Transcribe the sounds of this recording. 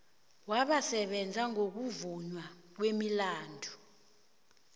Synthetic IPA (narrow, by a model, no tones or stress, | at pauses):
waɓasɛɓɛnd͡zʱaŋok̬uvuɲwa | k̬wemilaːndʱu